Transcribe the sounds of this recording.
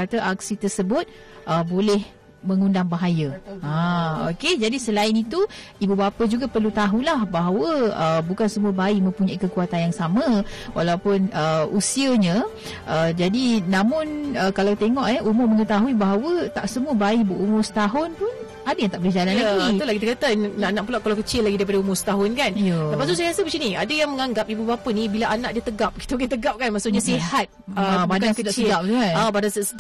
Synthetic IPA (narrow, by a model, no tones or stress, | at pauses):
at̪aʔak̚sit̪ərsəbʊt̪̚ | ʔəbolɛh | məŋundaŋbaɦajaaoked͡ʒadisəlaɪnit̪u | ibubapəd͡ʒuɡapərlut̪aɦulahbaɦawəəbukansəmuəbaiʔmə̃mpuɲãikəkuat̪anjaŋsamãwʔalawpʊnəusiəɲə̃ | ʔəd͡ʒadinãmʊnəkalawt̪eŋɔʔɛumʊrməŋət̪aɦuibaɦawət̪aʔsəmuəbaɪʔbəʔumʊsə̥t̪aɦʊnpʊn | adajaŋt̪aʔbəd͡ʒalanlaɡit̪ulahkit̪akat̪annaʔnaʔpulaʔkalawkət͡ʃɪlːaɡidaɾipadaumʊrsə̥t̪aɦʊnkanjləpast̪usajaɾasəbət͡ʃiniadajaŋməŋaŋɡapibubapənibilaʔanaʔdiət̪əɡap̚ki̥t̪aoket̪əɡap̚kanmaʔsʊʔɲasihɦat̪̚abadkaakədaʔsədap̚t̪uanabadansəsə